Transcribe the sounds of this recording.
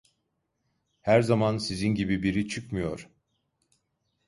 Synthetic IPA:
hæɾzamansizinɟibibiɾit͡ʃʰɯkmɯjo̞̰ɾ̥

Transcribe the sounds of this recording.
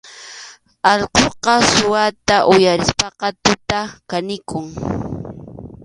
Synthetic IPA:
ɑʎqoqɑsʊwat̪aʔʊjaɾɪspɑqɑt̪ʊt̪akanɪkʊŋ

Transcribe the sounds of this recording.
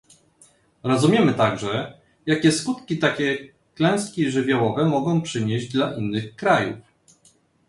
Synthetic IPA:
ɾɔzumʲjɛmɘt̪aɡʐɛ | jakʲɛskut̪kʲit̪akʲɛ | klɛ̃w̃skʲiʐɘvʲjawɔvɛmɔɡɔ̃w̃pʂɘɲeʑd͡ʑd̪laʔinːɘxkɾajṵf

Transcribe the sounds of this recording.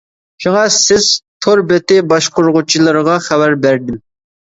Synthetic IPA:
ʃuŋɑsɪz̥t̪ʰoɾbɛt̪ɪbɑʃqʰʊɾʁʊt͡ʃʰilˠəɾəʁɑχæbæɾbæɾd̪ɪm

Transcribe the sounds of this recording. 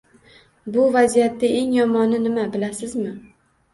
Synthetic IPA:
bʊvazijat̪ːɪe̞ŋjɒmɒnɪnɪmabɪlasɪzmɪ

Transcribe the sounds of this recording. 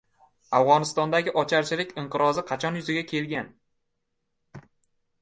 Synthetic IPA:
avʁɒnɪst̪ɒnd̪aɡʲɪʔɒt͡ʃʰaɾt͡ʃʰɪlɪkʲɪɴqɨɾɒzɪqʰɑt͡ʃʰɒnjʊzɪɡʲakʲʰe̞lɡʲan

